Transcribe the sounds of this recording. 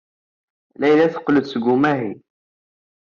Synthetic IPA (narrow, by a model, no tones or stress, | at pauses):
læjlæθə̥qːləd̪sɡʊmæɦi